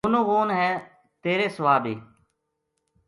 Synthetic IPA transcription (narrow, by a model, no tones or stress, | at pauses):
ʊnũːɣoːnɦɛ̃ː | t̪eːɾeːsəʋaːbiː